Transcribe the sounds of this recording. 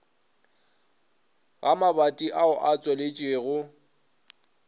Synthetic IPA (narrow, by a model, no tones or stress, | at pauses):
ɣamabatʼiʔaʊʔat͡sʼwɛlɪt͡ʃʼweːɣʊ